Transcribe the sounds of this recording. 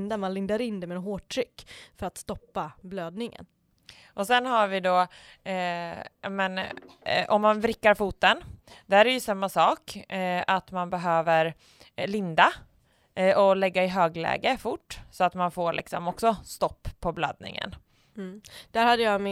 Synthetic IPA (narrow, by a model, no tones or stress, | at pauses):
nd̪amanlɪnd̪aɾɪnd̪ɛmɛnɦoːʈʰːɾʏkːfœɾat̪st̪ɔpːabløːd̪̚nɪŋə̰n | ʔɔsɛnːɦaɾvɪd̪ɔ | mɛnʔɔmːanvɾɪkːaɾfuːt̪ənd̪̥æɾɛjɵsamːasɑːkat̪manbɛɦøːvəɾ | ɭɪnd̪a | ɔlɛɡːaɪɦøːɡlɛ̰ːɡəfʊʈːsɔat̪manfoːɾlʔɪ̰ksɔmɔksɔst̪ɔpʰːɔbla̰d̪̚nɪ̰ŋə̰nː | d̪̥æɾhad̪ːəjamɪ